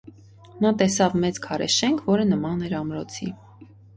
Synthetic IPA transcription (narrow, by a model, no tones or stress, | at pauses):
nɑt̪ɛsɑvmɛt͡skʰɑɾɛ̰ʃɛŋkʰvɔɾənəmɑnɛɾɑmɾɔt͡sʰi